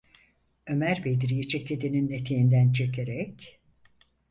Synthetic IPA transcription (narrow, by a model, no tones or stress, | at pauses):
ø̞mæɾbed̪iɾijit͡ʃʰeked̪ininet̪ʰejind̪ænt͡ʃʰe̞kʰe̞ɾɛc